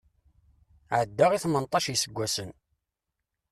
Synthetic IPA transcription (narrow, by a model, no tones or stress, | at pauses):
ʕəd̪ːaʁiθmənt̪ˤːɑʃjsəɡʷːæsən